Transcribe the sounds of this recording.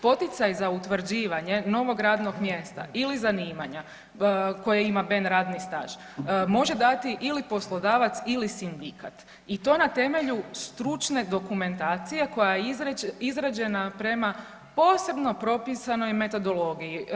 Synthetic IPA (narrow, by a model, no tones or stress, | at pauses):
po̞t̪it̪sajzaut̪ʋɾ̩d͡ʑiːʋaɲe̞no̞ʋo̞ɡɾaːd̪no̞ɡmje̞st̪a̰ʔilizaniːmaɲa | ko̞jaimabenɾaːd̪nist̪a̰ːʒ̥ | mo̞ʒed̪at̪iʔilipo̞slˠo̞d̪aːʋat̪silisind̪ikat̪ | it̪o̞ːnat̪e̞me̞ʎust̪ɾut͡ʃne̞d̪o̞kume̞nt̪aːt̪sije̞ko̞jajeizizɾad͡ʑe̞napɾe̞ma | po̞ːse̞bno̞pɾo̞pisano̞jme̞t̪o̞d̪o̞lo̞ɡiji